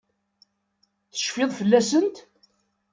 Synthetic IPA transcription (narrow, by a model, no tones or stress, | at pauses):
θə̥ʃfɪðˤfəlːæsənt̪